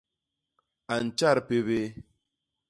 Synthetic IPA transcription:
a˨n̩˨t͡ʃa˦˨ɾpe˦βe˦

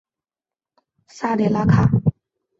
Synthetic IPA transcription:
sa˥˧˨ɾe˨la˦kʰa˥˨

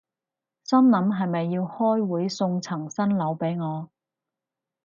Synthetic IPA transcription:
sɐ˥mnɐ˨˥mɦɐ˨jmɐ˨jːiː˧whɔː˥jwuː˨˥jsʊ˧ŋt͡sʰɐ˨˩ŋsɐ˥nlɐ˨˥wpe˨˥jŋɔː˨˧

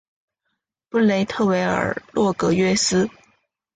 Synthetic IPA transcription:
pu˥˩le˧˥ɪt̪ʰɤ˥˩we˧˥ɪə̰˞˨˩lwɔ˥˩kɤ˧˥ɥɛ˥sɹ̩˥

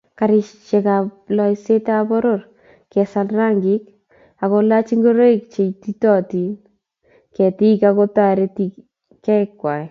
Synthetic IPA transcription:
kaɾɪt͡ʃe˨kaplɔ˨ise˦tabɔ˦ɾor | kɛ˨salraŋɡɪk̚ | a˨kola˦t͡ʃi˦ŋɡo˦ɾo˦ik̚t͡ʃe˨titɔ˦ti˨n | kɛ˨ti˦kako˦ta˦ɾeti | kːɛ˦ɪkːwa˨j

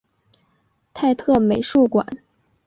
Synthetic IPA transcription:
t̪ʰa˥˧ɪt̪ʰɤ˥˩me˨˩ɪʂu˥˩kwa̰˨˩˦n

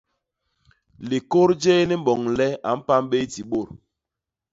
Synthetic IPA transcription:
li˨ko˦ɾd͡ʒe˦ni˦m̩˦bɔ˨ŋlɛ˦a˨m̩˦pa˦m˦ɓe˦ti˨ɓo˦˨ɾ

